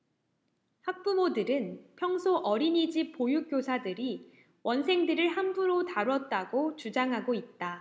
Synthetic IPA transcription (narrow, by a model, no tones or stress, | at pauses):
hak̚p͈umodɯɾɯnpʰjʌŋsʰoʔʌɾinid͡ʑip̚p͈ːojuk͈josʰadɯɾi | wʔʌnsʰe̞ŋdɯɾɯɭɦambuɾotaɾuʌt̚t͈aɡot͡ɕud͡ʑaŋɦaɡoit̚t͈a